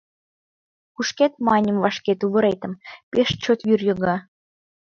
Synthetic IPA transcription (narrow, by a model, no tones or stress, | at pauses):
kuʃket̪̚mɑnʲəmvɑʃket̪uβə̆ɾejt̪ə̆mpeʃt͡ɕot̪jyrjɤ̆ɣɑ